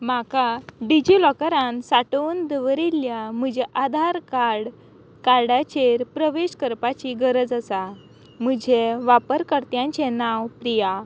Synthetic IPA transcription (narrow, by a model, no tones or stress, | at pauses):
makaɖid͡ʑilɔkəɾãnsaʈond̪əʋəɾiljam̤əd͡ʑeʔad̪ʱaɾkaɽ | kaɾɽat͡ɕeɾpɾəʋeɕkəɾpat͡ɕiɡəɾəd͡zəsa | m̤əd͡ʑʱeʋapəɾkəɾt̪jãɲt͡ɕenaʋpɾija